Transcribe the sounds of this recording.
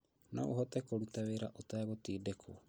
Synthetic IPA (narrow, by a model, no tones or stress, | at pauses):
nɔ̰oɦɔtɛkoɾutaweɾaʔotaːɣotiːdekʰo